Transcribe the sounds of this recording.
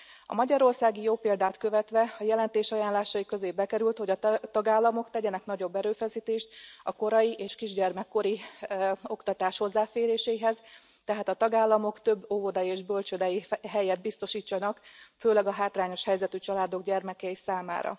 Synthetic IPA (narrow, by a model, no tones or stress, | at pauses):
ɒ̰mɒɟɒɾo̞rsaːɡijoːpeːld̪aːt̪kø̞vɛt̪ʋɛɒjɛlɛnt̪eːʃɒjaːnlaːʃɒjikø̞zeːbbɛkɛɾylt̪ho̞ɟɒt̪ɒɡaːlːɒmo̞kt̪ɛɟɛnɛknɒɟo̞bːɛɾøːfɛsiːt̪eːʃt̪ɒko̞ɾɒjiʔeːʃkiʒɟɛrmɛkːo̞ɾi | o̞kt̪ɒt̪aːʃho̞zːaːfeːɾeːʃɛjiɦɛz | t̪ɛɦaːt̪ɒt̪ɒɡaːlːɒmo̞kt̪ø̞bːovo̞d̪ɒjeːʒbø̞lt͡ʃød̪ɛjiɦɛjɛd̪̚bist̪o̞ʃiːt͡ʃːɒnɒkføːlɛɡɒɦaːt̪raːɲo̞ʃhɛjzɛt̪yt͡ʃɒlaːd̪o̞ɡɟɛrmɛkɛjisaːma̰ːɾɒ̰